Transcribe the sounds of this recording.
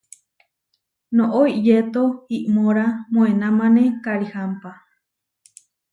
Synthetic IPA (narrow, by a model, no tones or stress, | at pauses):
noʔoiʔjet̪oiʔmoɾamoenamanekaɾihampa